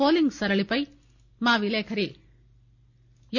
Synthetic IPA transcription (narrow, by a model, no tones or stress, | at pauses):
oːliŋɡsɐɾɐɭipɐj | maːʋileːkʰɐɾi | j